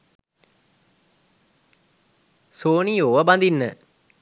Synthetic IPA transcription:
soːnioʋəband̪inːə

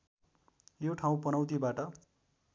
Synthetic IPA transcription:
joʈʰaw̃pʌnʌw̃t̪̬ibaʈʌ

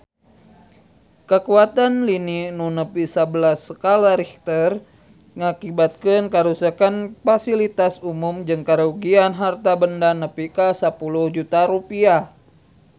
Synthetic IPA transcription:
kəkuat̪anlininunəpisabəlasːəkalaɾɛkt̪ər | ŋakibat̪̚kɨnkaɾusakanfasilit̪asumumd͡ʒɨŋkaɾuɡianɦart̪abəndanəpikasəpuluhd͡ʒut̪aɾupiah

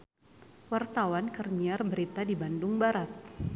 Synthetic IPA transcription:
wart̪awankərɲiarbəɾit̪adibandʊŋbaɾat̪̚

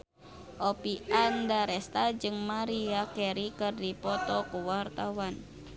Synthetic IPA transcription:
ʔopiandaɾɛst̪ad͡ʒɨŋmaɾiakɛɾikɨrdipɔt̪ɔkuwart̪awan

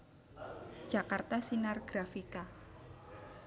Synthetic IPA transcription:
d͡ʒ̥akart̪asinarɡ̥ɾafika

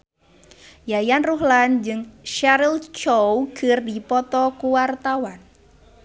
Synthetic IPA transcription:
jajanruɦland͡ʒɨŋʃaɾilt͡ʃowɡ̥ərdipɔt̪ɔkuwart̪awan

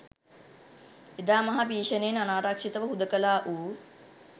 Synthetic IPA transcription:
ed̪aːmɐɦabiːʃənejnanaːɾakʂit̪əʋəɦud̪əkəlaːʔuː

